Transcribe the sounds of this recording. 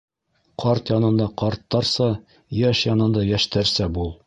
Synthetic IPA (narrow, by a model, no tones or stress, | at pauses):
qʰɒɾt̪jɒnɤ̆nd̪ɑqɒɾt̪ːɑɾsɑ | jæʃjɒnɤ̆nd̪ɑjæʃt̪æɾsæbulˠ